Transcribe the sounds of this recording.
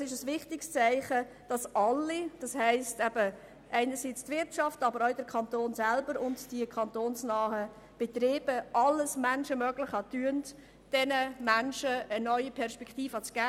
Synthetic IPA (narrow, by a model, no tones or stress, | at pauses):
sɪʃəsʋɪχtɪkst͡sæɪχə | d̥ɑsɑlːid̥ɑshɛɪstɛbə | ʔæɪnəɾsiːt͡stvɪɾtʃɑftɑbəɾɔʊdəɾkʰɑntoːnsælbəɾʊntd̥iəkʰɑntoːnsnɑːhə | b̥et̪ɾeːb̥əʔɑlːəsmænʃəmœɡlɪχɑtyənt | d̥ɛnəmænʃəənœʏipʰɛɾʃpɛktiːfɑt͡sɡ̥æː